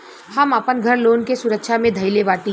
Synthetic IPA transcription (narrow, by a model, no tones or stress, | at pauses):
hɐməpənɡʱɐɾloːnkesʊɾəkʃamẽd̪ʱɐɪleʋaːʈĩ